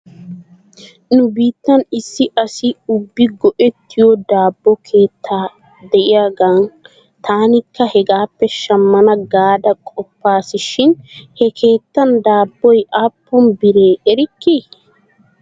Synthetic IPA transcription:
nʊbiːt̪ːɐnɪsːɪʔɐsɪʊbːɪɡɔʔɛt̪ʰːɪjɔd̪aːbːɔkʰe̞ːt̪ʰːaː | d̪ɛʔɪjaɡaːn | t̪aːnɪkːɐhɛɡaːpːɛʃɐmːɐnɐɡaːd̪ɐkʼɔpːaːsɪʃɪnhɛkʰe̞ːt̪ːɐnd̪aːbːɔjʔaːpːɔnbɪɾeːʔɛɾɪkːi

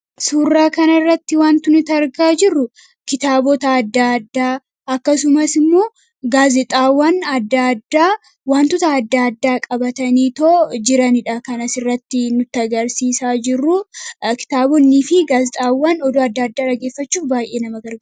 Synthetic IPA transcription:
suːrːaːkɐnɐrːɐt̪ːɪwaːnt̪ʊnɪt̪ɐɾɡaːd͡ʒɪrːʊ | kɪt̪aːbɔt̪ɐːd̪ːad̪ːaː | ɐkːɐsʊmɐsɪmːo̞ː | ɡaːzɛt̪ʼaːwːɐnɐd̪ːad̪ːaː | waːnt̪ʊt̪ɐːd̪ːaːɐd̪ːaːkʼɐbɐt̪ɐniːt̪oːd͡ʒɪɾɐnɪᶑakɐnɐsɪrːɐt̪ːɪnʊt̪ːɪɐɡɐɾsiːsaːd͡ʒɪrːʊkɪ̥t̪aːbɔnːifɪɡaːzɛt̪ʼaːwːaːnɔd̪oːɐd̪ːaːɐd̪ːaːᶑɐɡeːfːɐt͡ʃːuːfbaːjʔe̞ːnɐmɐɡɐɾɡɐ

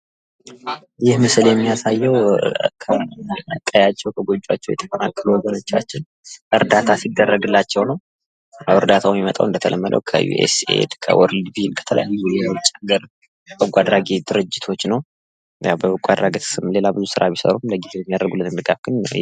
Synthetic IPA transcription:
jɪhmɨsɨljɛmːijasajːɛwkʰəək̪ʼːəjat͡ʃːɛwkʰəɡo̞d͡ʒʼːwat͡ʃːɛwjɛ̰t̪ʰəkʼənakʼːɨluwɔɡəno̞t͡ʃːa̰t͡ʃːɪn | ʔɨɾd̪at̪ʰasid̪ːərːəɡɨlːat͡ʃːɛwnəw | awɨɾd̪at̪ʰawmimət̪ʼa̰wʔɨnd̪ət̪ʰə̰lʔəmːəd̪ə̰wkʰə̰jṵʔḛsḛd̪kʰə̰wʔɔɾlbilkʰə̥t̪ʰələ̰ja̰jːujɛwt͡ʃʼaɡəɾ | bəɡʼʷad̪ɾaɡed̪̥ɨɾɨd͡ʒːɪt̪ʰo̞t͡ʃːnəw | jawbəɡʷʼad̪ɾaɡet̪ɨmle̞labɨzusɨɾa̰βisə̰ɾumləɡizejɛmijad̪əɾɡulːɨnɨnd̪ɨɡafɡ̥ɨn̰

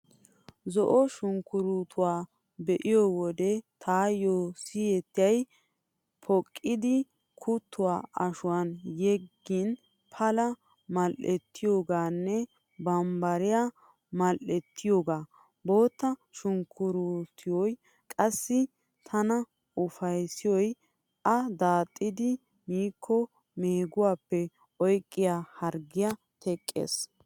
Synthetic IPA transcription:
zɔʔɔʃʊŋkːʊɾuːt̪ʰʊwaː | bɛʔɪjowɔd̪ɛt̪ʰaːjoːsijɛt̪ːɪjɐj | pʰɔkʼːɪd̪ɪ | kʰʊt̪ʰːʊwa̰ːɐʃʊwanjɛɡːɪn | pʰɐlɐ | mɐlʔɛt̪ːɪjoːɡaːnːɛ | bɐmbɐɾɪja | mɐlɛt̪ʰːɪjoːɡaː | bo̞ːt̪ːɐʃʊŋkʰːʊɾut̪ʰɪjɔj | kʼɐsːɪ | t̪ʰɐnɐ | ʊfɐjsɪjɔj | ʔɐd̪aːt̪ʼːɪd̪ɪ | miːkʰːɔ | meːɡʊwaːpːɛ | ɔjkʼːɪjahɐɾɡɪjɐ | t̪ʰɛkʼːḛːs

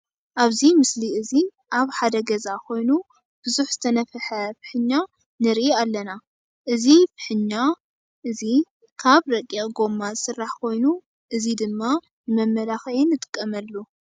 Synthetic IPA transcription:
ʔaβzimɨsliɨzi | ʔaβħad̪ɐɡɐzakʰo̞jnu | b̥ɨzuħz̥ɨt̪ʰɐnɐfħɐfɨ̥ħɨɲːa | nɨɾʔialːɐna | ʔɨzifɨ̥ħɨɲːa | ʔɨzi | kʰaβɾɐkʼːeɡo̞mːazɨsɨrːaħkʰo̞jnu | ʔɨzid̪ɨmːa | nɨmɐmːɐlaxɐinːɨt̪ʼɨ̥kʼːɐmɐlːo

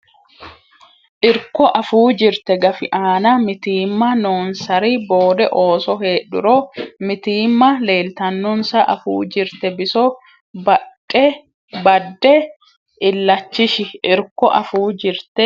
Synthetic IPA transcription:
ʔɪɾkɔʔɐfuːd͡ʒɪɾt̪ɛɡɐfɪʔaːnɐmɪt̪iːmːɐnoːnsɐɾiboːd̪ɛʔo̞ːsɔɦeːᶑʊ̰ɾomɪt̪iːmːɐle̞ːlt̪ɐnːɔnsɐʔɐ̰fṵːd͡ʒɪɾt̪ɛbɪsɔ | b | ɛ | bɐdɛ | ʔɪlːɐt͡ʃːɪʃɪʔɪɾkɔʔɐfuːd͡ʒɪɾt̪ɛ

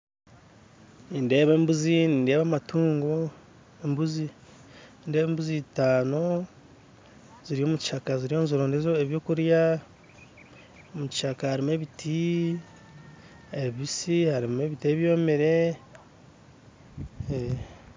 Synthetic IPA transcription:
ninde̞ːβe̞ːmbuziniːnde̞ːβamatuːŋɡo | embuzi | indeːβeːmbuzitaːno̞ | ziɾio̞ːmuci̥ʃakaziɾio̞ːnzuɾonezoeβjo̞ːkuɾja | omuci̥ʃakahaɾime̞βitʰi | eβisihaɾime̞βiteβjo̞ːmeɾe̞ | e

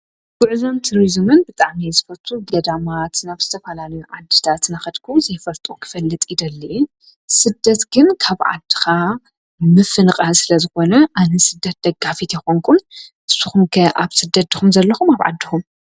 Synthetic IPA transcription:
ɡ̥ʊʕzo̞mt̪ʰuɾizmɨnbɨt̪ʼaʕmijzɨfɐlt̪ʰuɡɐd̪amat̪naβz̥ɨt̪ʰɐfɐlalɐjuʕad̪ːɨt̪ʰat̪naxɐd̪kʰuzɐjfɐlt̪ʼukʰɨ̥fɐlːɨt̪ʼid̪ɐlːi | sɨd̪ːɐt̪ɡɨnkʰaβʕa̰d̪ɨ̥xa | mɨfɨnɨqʼalsɨlɐzɨxo̞nɐʔanɐsɨd̪ːɐt̪̚d̪ɐɡafit̪jɛxoŋkʰunʔɨsːuxumkʰɐʔaβsɨd̪ːɐt̪̚d̪ɨxumzɐlːɐxumaβʕa̰d̪ːixum

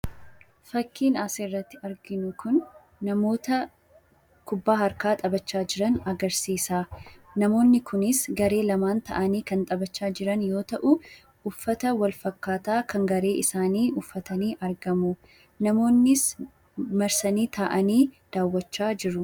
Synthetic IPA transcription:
fɐkːiːnaːserːɐt̪ːɪɐɾɡɪnʊkʊnː | ɐmo̞ːt̪ɐ | kʊbːaːhɐɾkaːt̪ʼɐbɐt͡ʃːaːd͡ʒɪɾɐnɐɡɐɾsiːsaːnɐmo̞ːnːɪkʰʊnɪsɡɐɾe̞ːlɐmaːnt̪ɐ̰ʔɐniːkɐnt̪ʼɐbɐt͡ʃːaːd͡ʒɪɾɐnjo̞ːt̪ɐʔʊ | ʊfːɐt̪ɐwɐlfɐkːaːt̪aːkʰɐŋɡɐɾe̞ːʔɪsaːniːʔʊfːɐt̪ɐniːʔɐɾɡɐmʊ | nɐmo̞ːnːɪs | mɐɾsɐniːt̪aːʔɐniːd̪̥aːwːɐt͡ʃːaːd͡ʒɪɾʊ

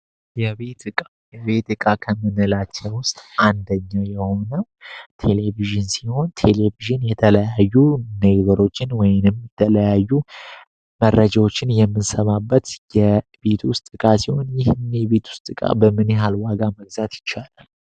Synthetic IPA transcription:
jɛet̪kʼa | jɛβe̞t̪ɨkʼakʰəmɨnɨlat͡ʃːɛwʊst̪ʼand̪əɲːajɛho̞nəwt̪ʰe̞le̞viʒɨnsiho̞nt̪ʰe̞le̞viʒɨnjɛt̪ʰələjajːuneɡβəɾo̞t͡ʃːɪnwɔjɪnɨmjɛt̪ʰələjajːu | mərːəd͡ʒawo̞t͡ʃːɪnjɛmːɨnsəβabːət̪jɛbe̞t̪wʊst̪ʼɨkʼasiho̞njɪhɨnːeβe̞t̪wʊ̥st̪ʼɨkʼa̰bəmɨneɦalwaɡaməɡzat̪jɪt͡ʃːalal

